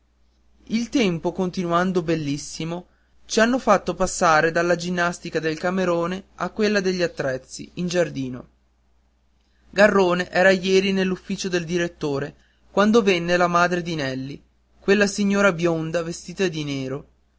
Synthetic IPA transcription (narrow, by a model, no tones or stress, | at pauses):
ilt̪ɛmpokont̪inuand̪obelːisːimo | t͡ʃianːofat̪ːopasːaːɾed̪alːad͡ʒinːast̪ikad̪elkameɾoːneakwelːad̪eʎːiat̪ːɾɛt̪sːḭind͡ʒard̪iːno̰ | ɡarːoːneʔɛːɾajɛːɾinelːufːiːt͡ʃod̪eld̪iɾet̪ːoːɾe | kwand̪ovenːelamaːd̪ɾed̪inɛlːi | kwelːasiɲːoːɾabjond̪avest̪iːt̪ad̪ineːɾo